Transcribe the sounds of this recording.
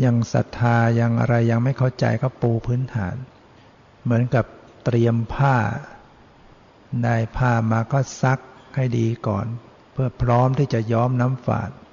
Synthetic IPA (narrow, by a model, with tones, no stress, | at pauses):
ja˧ŋsa̰˨˩t̪ʰːaː˧ja˧ŋʔa̰˧ɾa˧jːa˧ŋma˥˩jkʰa˥˩wt͡ɕa̰˧jka˧˥˩pːuː˧pʰɯː˦˥nt̪ʰa̰ː˩˦n | mɯ˩˦ənka˨˩p̚ | t̪ɾi˧əmpʰaː˥˩ | daː˥˩jpʰaː˥˩maː˧kɔː˥˩sa˦˥k̚ha˥˩jdiː˧kɔ̰ː˨˩n | pʰɯ˥˩əpʰɾɔː˦˥mt̪ʰiː˥˩t͡ɕa˨˩jɔː˦˥mna˦˥mfa̰ː˨˩t̪̚